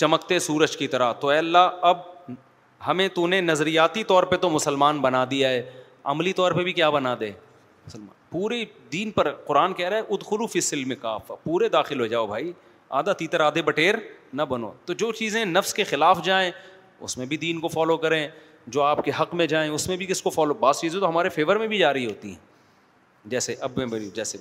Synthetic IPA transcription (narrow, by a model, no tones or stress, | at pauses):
t͡ʃɐməkt̪esuːɾəd͡ʒkit̪ɐɾat̪oɛːɐlːaɐb̚ | hɐmẽt̪unenɐzɾijaːt̪it̪ɔːɾpet̪omʊsəlmaːnbɐnad̪ijaɦɛː | ɐ̰mlit̪ɔːɾpebʱikjaːbɐnaːd̪ẽː | mʊsəlma̰ːnpuːɾid̪iːnpɐɾqʊɾaːnkɛɦɾaːɛʔʊd̪xʊluːfɪsɪlmẽkaːfpuːɾed̪aːxɪlɦod͡ʒaːobʱaːi | a̰ːd̪at̪iːt̪əɾaːd̪ʱebɐʈeːɾnɐbɐno̰ːt̪od͡ʒoːt͡ʃiːzẽnɐfskexɪlaːfd͡ʒaːẽː | ʊ̰smẽbʱid̪iːnkofɔːlokɐɾẽ | d͡ʒoːaːpkeɦɐqmẽd͡ʒaːẽʊsmẽbʱikɪskofɔːlobaːzt͡ʃiːzẽt̪oɦɐmaːɾefeːʋəɾmẽbʱid͡ʒaːɾɐɦiɦoːt̪ḭɦɛ̰̃ː | d͡ʒɛːseʔɐbmẽbɐɾid͡ʒɛːse